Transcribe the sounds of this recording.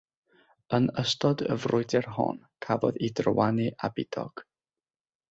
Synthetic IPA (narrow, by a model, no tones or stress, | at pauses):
ənəstɔdə̰vrʊɨdɛrɦɔ̰n | kʰavɔ̰ðidrəwaniʔabɪd̥ɔ̰ɡ̥